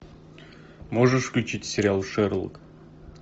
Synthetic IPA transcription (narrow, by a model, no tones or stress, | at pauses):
moʐɨʂfklʲʉt͡ɕitʲsʲɪɾʲɪalˠʂɛɾlˠə̰k